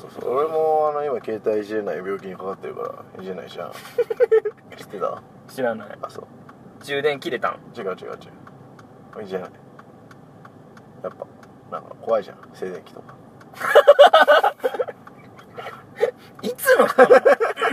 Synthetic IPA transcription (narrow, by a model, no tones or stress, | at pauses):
so̞ːso̰oɾemoano̞imake̞ːt̪aiɕiɾe̞naibʲo̞ːkʲiɲ̟ikakat̪ːe̞ɾɯ̟ka̰ɾa̰iʑena̰iɕia̰na̰ | i̥t̪ːet̪a̰ | ɕiɾana̰ḭa̰so̰ | d͡ʑɨːd̪ẽ̞ŋkʲiɾe̞t̪ã̰ŋt͡ɕiɡat͡ɕiɡa̰t͡ɕi | id͡ʑena̰i | japːa | nã̰ŋkako̞βaiʑã̰se̞ːd̪ẽ̞ŋkʲi̥t̪o̞kḁ | it͡sɨmo